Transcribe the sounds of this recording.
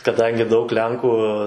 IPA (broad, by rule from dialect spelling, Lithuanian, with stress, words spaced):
kɐˈdɐŋʲɡʲɪ dɐʊk ˈlʲɛŋkuː